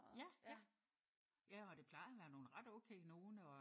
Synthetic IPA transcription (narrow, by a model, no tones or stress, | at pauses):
jæjæ | jæɒ̽d̥e̝pʰl̥ɑ̈ɪðˠɒʋæɐno̝ːn̩ʁɑ̈d̥ɔʊkʰḛɪno̝ːn̩ɒ̽